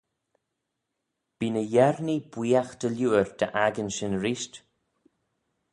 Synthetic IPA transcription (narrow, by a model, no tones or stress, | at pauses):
b̥iːnəjɛɾnibwiːaxd̪̥əljuːəɹd̪̥ə̰ʔaɡənʃənɾiʃt